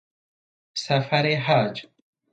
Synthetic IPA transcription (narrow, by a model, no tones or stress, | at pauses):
safaɾeɦad͡ʒ